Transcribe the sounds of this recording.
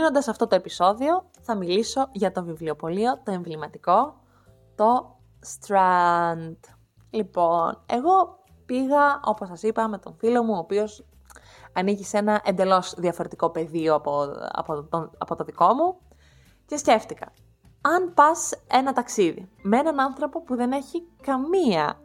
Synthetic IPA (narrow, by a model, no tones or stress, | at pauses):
no̞nd̪ɐsɐft̪o̞t̪oe̞piso̞ðio̞ | θɐmiliso̞ʝɐt̪o̞vivliopo̞lio̞t̪o̞e̞ɱvlimɐt̪iko̞ | t̪o̞ | st̪ɾɐnd̪̥ | lipo̞ne̞̰ɣo̞ | piɣɐo̞posɐsipɐme̞t̪o̞ɱfilo̞muoːpio̞s | ɐnicise̞nɐʔe̞nd̪e̞lo̞zðiɐfoɾe̞t̪iko̞pe̞ðioɐpoɐ̰poɐpo̞t̪o̞ðiko̞mu | ce̞sce̞ft̪ikɐ̰ | ɐnpɐse̞nɐt̪ɐksiðḭmee̞nɐnɐnθɾo̞po̞puðe̞ne̞çikɐmiɐ̰